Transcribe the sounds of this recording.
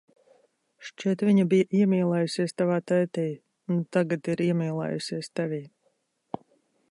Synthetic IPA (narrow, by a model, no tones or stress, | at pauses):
ʃt͡ʃiɛt̪vʲiɲabijaʔiɛmʲiːlˠɛːjusiɛst̪avaːt̪ɛjt̪ɛː | unt̪aɡat̪iɾiɛmiːlˠɛ̰ːjusiɛst̪ɛvʲiː